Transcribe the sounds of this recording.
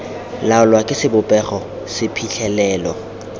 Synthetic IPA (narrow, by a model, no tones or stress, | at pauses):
laʊlwakʼɪsɪbʊpʼɛχɔ | sɪpʰiɬɛlɛːlɔ